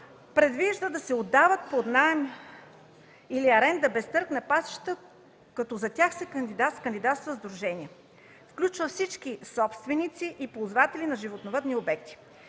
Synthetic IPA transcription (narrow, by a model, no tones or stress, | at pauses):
pɾɛd̪viʒd̪əd̪ɐsɛod̪ːavət̪̚pod̪naɛm | iliɐɾɛnd̪ɐbɛst̪ɤɾknɛpasi̥ʃt̪ə | kɐt̪ɔzɐt̪ʲaxsɛkɐnd̪id̪askənd̪ʲid̪at̪st̪vəzd̪ɾuʒɛniɛ | fklʲut͡ʃvəfsit͡ʃkisɔpst̪vɛnit̪siʔipozvat̪ɛlinɐʒivot̪novəd̪niobɛk̚t̪i̥